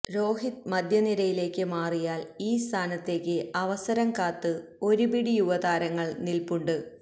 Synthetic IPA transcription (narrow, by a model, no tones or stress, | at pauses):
ɾo̞ːɦit̪̚mɐd̪ʱjɐniɾɐjile̞ːkːɨmaːrijaːliːst̪ʰaːnɐt̪ːe̞ːkːɨɐʋɐsɐɾɐmkaːt̪ːɨo̞ɾubiɽijuʋɐd̪aːɾɐŋːɐɭnilpuɳɖɨ